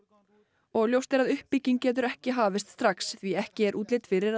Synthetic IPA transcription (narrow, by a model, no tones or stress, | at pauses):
ɔɣljowst̪ɛɾaðʏhpːicːiŋcɛːt̪̬ʏɾɛhcɪɦaːvɪst̪st̪ɾaksθviɛhcɪɛɾʔuːt̪lejt̪fɪɾɪɾ